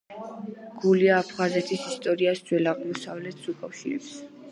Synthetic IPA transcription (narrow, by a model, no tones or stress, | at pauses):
ɡ̥uliaːpʰχazɛt̪ʰisist̪ʼɔɾiasd̪z̥wɛlaʁmɔsavlɛt̪ʰsukʼafʃiɾɛ̰ps